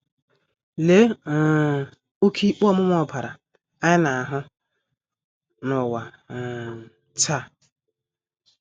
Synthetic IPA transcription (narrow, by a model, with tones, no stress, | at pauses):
le˨˦˨ | o˦kʰi˦k͡pɔ˦mʊ˦mɔ˦˨pʰa˨ɾa˨ | a˦ɲɪ˦na˨ɦʊ˦ | nʊ˨wa˨ | t͡ʃa˦˨